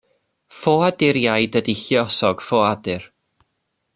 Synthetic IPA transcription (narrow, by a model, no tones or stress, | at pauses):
foːadɪɾjajdədiɬjɔsɔɡ̥foːadɨr